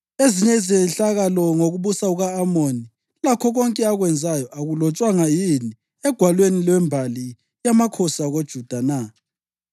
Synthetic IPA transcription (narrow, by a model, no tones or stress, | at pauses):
eziɲɛizɛɬaɣalɔŋoɣuβusauɣaːmoni | lakʰɔɣɔŋkʼɛaɣwɛnd͡zʱajɔʔaɣulɔt͡ʃʼwaŋajini | ɛɡ̥ʱwalwenilwɛmbʱali | jamakʰɔsaɣod̥ʒ̥ʱud̥ʱana